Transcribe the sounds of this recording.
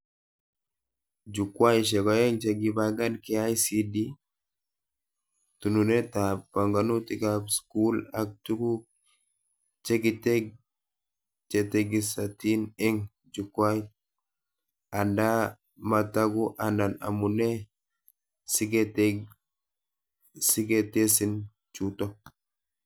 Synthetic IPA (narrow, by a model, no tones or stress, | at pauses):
d͡ʒukwajʃ̬ɛkɔjɛŋt͡ʃeɡibaɡankiajsidi | tununetabaŋɡanutikabskulak̚tuku | t͡ʃeɡiteɡ | t͡ʃeteɡisatinɛŋ | d͡ʒukwaj | anda | mataɡuʔandana̰munɛ | siɡet | siɡetesin | t͡ʃutɔ